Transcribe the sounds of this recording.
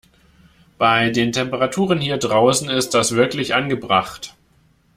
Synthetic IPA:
b̥aɪdeːntʰɛmpəʁatʰuːʁ̞ənhiːɐdʁaʊsn̩ɪst̚d̥asv̥ɪɐklɪçʔanɡəbʁaχt

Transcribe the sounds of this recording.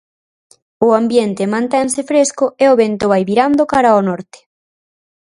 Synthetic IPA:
ʊambjent̪emãnt̪ɛŋsɪfɾeskʊeoβent̪ʊβajβiɾand̪okaɾaonɔɾt̪ɪ̥

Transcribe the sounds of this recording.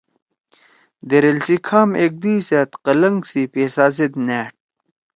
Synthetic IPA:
d̪eɾelsikʰaːmek̚d̪iːset̪qɐlɐŋɡsipeːsaːzid̪neːʈ̚

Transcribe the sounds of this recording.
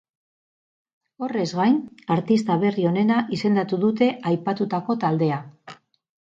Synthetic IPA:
o̞re̞zɣajnaɾt̪ist̪aβe̞rio̞ne̞naʔise̞nd̪at̪uðut̪e̞ʔajpat̪ut̪ako̞t̪ald̪e̞a

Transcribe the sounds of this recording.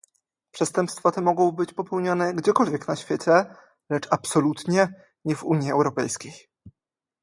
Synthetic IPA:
pʂɛst̪ɛmpst̪fat̪ɛmɔɡɔ̃w̃bɘt͡ɕpɔpɛwɲanɛɡd͡ʑɛkɔlvʲjɛknaɕfʲjɛt͡ɕɛ | lɛt͡ʂapsɔlut̪ɲɛ | ɲɛvuɲjiɛwɾɔpɛ̰jskʲej

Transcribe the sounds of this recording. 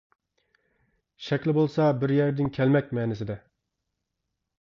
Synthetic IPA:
ʃɛkʲlɪbolˠsɑbɪɾjæɾd̪ɪnkʲʰɛlmɛkʲmɛːnɪsɪd̪ɛ

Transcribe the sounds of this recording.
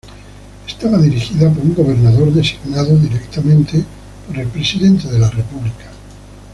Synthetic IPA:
e̥st̪aβaðiɾixiðap̬o̞ɾuŋɡo̞β̞e̞ɾnaðo̞ɾðe̞si̥ɣnaðoðiɾekt̪amẽnt̪e | po̞ɾe̞lpɾe̞siðe̞nt̪eðe̞lare̞puβlikḁ

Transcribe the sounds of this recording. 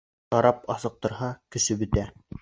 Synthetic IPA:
ɑɾɑpɑsɤ̆q̚t̪ɤ̆ɾhɑkɘ̆ʃɘbɵ̆t̪æ

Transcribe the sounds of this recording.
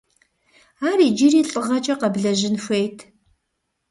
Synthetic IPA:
aːriːd͡ʒiɾiːɬʼɨʁɐt͡ʃʼɐqɐbɮɐʑɪnxʷejtʰ

